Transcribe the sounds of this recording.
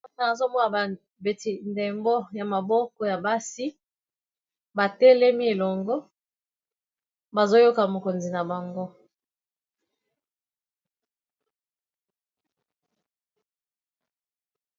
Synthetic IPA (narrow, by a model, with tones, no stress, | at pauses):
o˦na˨a˨zo˦bo˦na˨ba˨ | be˨ti˨nde˨mbo˦ja˨ma˨bɔ˦kɔ˦ja˨ba˦si˦ | ba˨tɛ˦lɛ˦mi˦e˨lɔ˨ŋɡɔ˦ | ba˨zo˦jo˦ka˨mo˨ko˨nzi˨na˨ba˨ŋɡo˦